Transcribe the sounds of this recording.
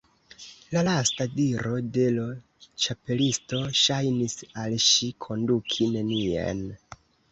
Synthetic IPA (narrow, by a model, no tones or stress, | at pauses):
lalastadiɾo̞de̞lo | t͡ʃape̞listo̞ʃajnisalʃikʰo̞ndukʰine̞niḛn